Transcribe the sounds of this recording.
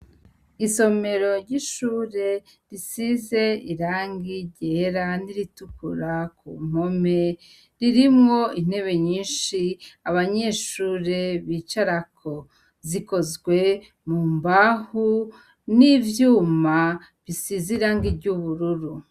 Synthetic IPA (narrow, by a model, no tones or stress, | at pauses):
iso̞me̞ɾo̞ɾɟiʃuːɾe̞ | ɾisize̞iɾaːŋɡiɟeɾaniɾitukṵɾakṵːm̥o̞me̞ | ɾiɾimŋo̞in̥e̞βe̞ɲiːnʃiaβaɲe̞ːʃuːɾe̞βit͡ʃaɾakʰo̞ | ziko̞zɡwe̞ | muːmbahu | nivjuːma | βisiziɾaːŋɡiɾɟuβuɾuɾu